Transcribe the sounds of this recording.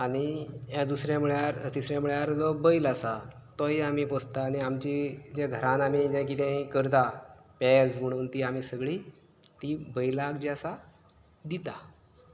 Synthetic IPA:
aɽ̃iɦãd̪usɾjãmuɭjaɾt̪isɾjamuɭjaɾd͡zɔbəjlasa | t̪ɔɦiamiːpɔst̪aːñiamt͡ɕid͡ʑẽɡʱəɾãnamid͡ʑɛ̃kit̪ẽikəɾt̪apɛd͡zm̤əɽ̃uːnt̪iːam̤iːsəɡɭiː | t̪ibəjlaɡd͡ʑiasa | d̪it̪a

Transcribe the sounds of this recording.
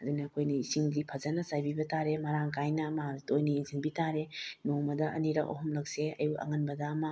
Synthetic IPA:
ɐdunɐːkʰojniisiŋdipʰɐzɐnɐsajbibɐtaɾemɐɾaŋkajnɐmaaɾtojniːŋziŋbitaɾenomɐdɐɐ̰niɾɐk̚ɐ̰ɦɔmlɐk̚seɐjuɐ̰ŋɐnbɐdɐːmɐ

